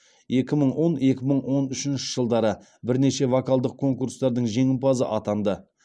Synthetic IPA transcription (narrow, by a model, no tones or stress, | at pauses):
je̞kʲɪməɴwo̞ne̞kʲɪməɴwo̞nʏʃɪnʃɪ̥ʒ̥əlˠd̪ɑɾə | bɪɾne̞ʃe̞vokɑlˠd̪əq̚ʰːo̞ŋkuɾst̪ɑɾd̪əɴʒe̞ŋɪmpɑzə̰ʔɑt̪ɑnd̪ə